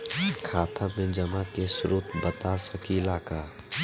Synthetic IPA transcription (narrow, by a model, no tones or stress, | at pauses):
kʰaːt̪ʰãmẽd͡ʒɐmakesʊɾoːt̪bət̪asɐkʰilaːkaː